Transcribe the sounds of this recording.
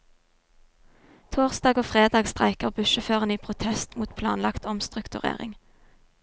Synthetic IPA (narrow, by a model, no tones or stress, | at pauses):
t̪ʰoːʁsd̪ɑːɡoːfʁeːd̪ɑːɡst̪ʁæɪkəʁbʉʃəføːʁəniːpʰʁʊt̪ʰɛst̪muːt̪pʰlɑ̰ːnlɑkt̪ɔmst̪ʁʉkt̪ʉʁḛːʁɪ̰ŋ